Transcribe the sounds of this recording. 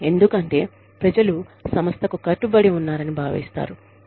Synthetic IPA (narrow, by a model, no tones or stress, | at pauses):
e̞nd̪ukɐɳʈe̞̰ː | pɾɐd͡ʒɐlusɐmɐst̪ʰɐkukɐʈːubɐɽiunːaːɾɐnibʱaːʋḭːst̪a̰ːɾu